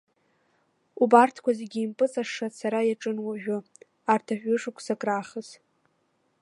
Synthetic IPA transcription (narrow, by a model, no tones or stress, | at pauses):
ubartʰkʷʰazeɡʲiːmpʼɨt͡sʼaʂasaɾajaʈ͡ʂʼɨnwaʒᶣʊ | artʰaħʷᶣʊʂukʷʰsakʼraχəz